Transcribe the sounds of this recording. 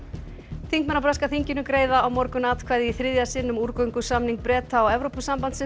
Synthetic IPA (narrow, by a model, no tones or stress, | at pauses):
θiŋkmɛnapɾaskaθiɲcɪnʏkɾeːjðaawmɔɾkʏnaːt̪kʰvaːjðɪiθɾɪðjasɪnːʏmuɾkœɥŋkʏsamniŋk̚pɾɛːt̪aɔɛvɾowpʏsampant̪sɪ